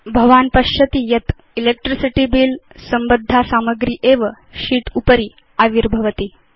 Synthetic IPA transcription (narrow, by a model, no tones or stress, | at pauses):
bʱɐʋaːnpɐɕɐt̪ijɐt̪ | ilek̚ʈɾisiʈiːbiːl | səmbəd̪ʱːasaməɡɾiːʔeʋə | ɕiːʈ̪upəɾiː | aʋiɾbʱɐʋət̪iː